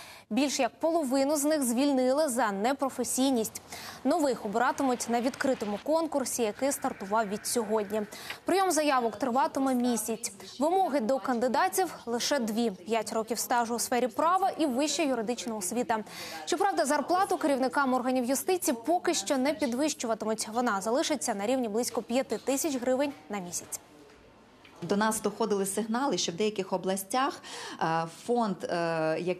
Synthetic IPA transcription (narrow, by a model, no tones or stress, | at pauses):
bʲilʲʃjɐk̚pɔlˠɔʋɪnʊznɪxzʲʋʲilʲnɪlˠɪzɐnɛpɾɔfesʲijnʲisʲtʲnɔʋɪxɔbeɾɑt̪ɪmʊtʲnɐʋʲid̪kɾɪt̪ɔmʊkɔnkʊrsʲijɐkɪst̪ɐrt̪ʊʋɑwʋʲid̥̪ʲsʲɔɦɔdʲnʲipɾɪjɔmzɐjɑʋɔkt̪ɾɪʋɑt̪ɪmɛmʲisʲɐt͡sʲ | ʋɪmɔɦɪd̪ɔkɐnd̪ɪd̪ɑtʲiwlˠɪʃɛd̪ʋʲipʲjatʲɾɔkʲiwst̪ɑʒʊʊsfɛɾʲipɾɑʋɐʔiʋɪʃt͡ʃɛjʊɾɪd̪ɪt͡ʃnɔɦɔsʲʋʲit̪ɐʃt͡ʃɔpɾɑwd̪ɐzɐrplˠɑt̪ʊkeɾʲiwnɪkɑmɔrɦɐnʲiwjʊst̪ɪt͡sʲipɔkɪʃt͡ʃɔnɛpʲid̪ʋɪʃt͡ʃʊʋɐt̪ɪmʊtʲʋɔnɑzɐlˠɪʃɪt͡sʲːɐnɐɾʲiwnʲiblˠisʲkɔpʲjɐt̪ɪt̪ɪsʲɐt͡ʃɦɾɪʋɪnʲnɐmʲisʲɐ̥t͡sʲ | d̪ɔnɑsd̪ɔxɔd̪ɪlˠɪsɪɦnɑlˠɪʃt͡ʃɔwd̪ɛjɐkɪxɔblˠɐsʲtʲax | fɔnd̪jɐ